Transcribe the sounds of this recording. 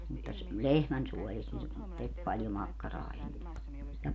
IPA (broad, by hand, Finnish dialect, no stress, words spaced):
mutːɑ s lehmænsuɔlist ne tek pɑljo mɑkːɑrɑː enːe jɑ